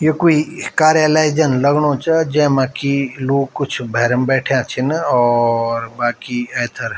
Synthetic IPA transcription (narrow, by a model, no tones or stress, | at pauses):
jekuikaːɾjəlaːɪd͡ʒənləɡɽõːt͡ʃad͡ʒɛ̃ːmãːkiloːɡ̚kʊt͡ʃʰbʱɛːɾəmbɛːʈʰjãt͡ʃʰinɔːɾbaːkiɛːt̪ʰəɾ